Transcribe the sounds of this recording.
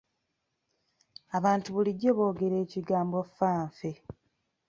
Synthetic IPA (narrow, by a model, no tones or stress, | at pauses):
aβaːntuβuliɟːoβo̞ːɡe̞ɾe̞ːciɡaːmbofːaːɱfe